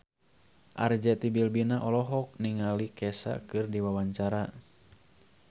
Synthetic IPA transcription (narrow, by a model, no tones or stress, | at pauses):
ʔa̰rd͡ʒɛt̪ibilbinaʔɔlɔɦɔk̚niŋalikɛsa̰kɨrdiwawaɲt͡ʃaɾa